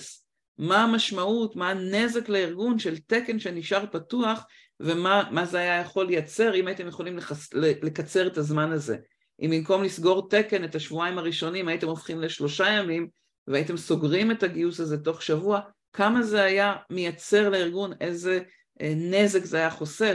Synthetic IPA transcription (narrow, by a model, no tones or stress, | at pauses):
s | maːmaʃmautmaːne̞ze̞kleiʁɡunʃe̞lte̞ke̞nʃe̞niʃaʁpatuaχ | ve̞mamazeajajaχo̞lejat͡se̞ʁimajit̪emjeχo̞limlelele̞kat͡se̞ʁe̞tazmanaze̞̰ | ʔimbimko̞mlisɡo̞ʁte̞ke̞netaʃvuaimaʁiʃo̞nimajite̞mofχimle̞ʃlo̞ʃajamim | veaitemso̞ɡʁime̞taɡiusaze̞to̞χʃavua | kʰamaze̞ajamejat͡se̞ʁleiʁɡune̞ze | ne̞ze̞kzeajaχo̞se̞